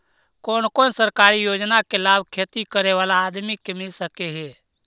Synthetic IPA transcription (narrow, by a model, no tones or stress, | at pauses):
koːnkoːnsəɾkaːɾijoːd͡ʒnakelaːbʱkʰeːt̪ikəɾeʋaːlaːd̪mikːemɪlsəkeɦɛː